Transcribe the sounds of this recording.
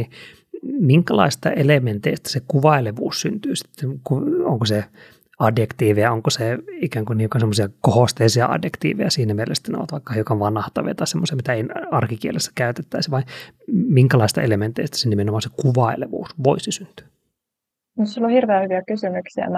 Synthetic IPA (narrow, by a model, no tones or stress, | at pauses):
i | miŋkælɑ̰ist̪ɑ̰ʔelement̪eist̪æ̥sekuʋɑileʋṵːssynt̪yːsi̥t̪ːenkuo̰ŋkose | ɑdjekt̪iːʋeæoŋkoseikæːŋkuniːkosemːosiɑkohost̪eisiɑ̰ɑ̰djekt̪ḭːʋḛjæsiːnæmielḛst̪æneo̰ɑt̪ʋɑikːɑhiukɑʋɑnɑht̪ɑ̰ʋḭɑ̰t̪ɑisemːosiɑmit̪æenɑrkikielesːæ̥kæyt̪et̪ːæisʋɑimiŋkælɑist̪ɑ̰element̪eist̪æ̥senimenomɑːnsekuʋɑileʋṵːsʋoisisynt̪y̥ː | nosilohirʋeæhyʋiækysymyksiæ̰m